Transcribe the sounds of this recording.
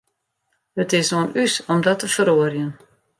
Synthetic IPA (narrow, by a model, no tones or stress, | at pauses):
hətɪsoənʔysɔmdɔtəfəɾoərjən